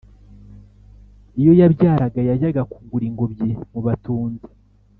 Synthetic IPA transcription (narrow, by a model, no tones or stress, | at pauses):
ijo̞jabɟaːɾaɡajaɟaɡakuɡuɾiŋɡo̞bɟemuβatuːnde̥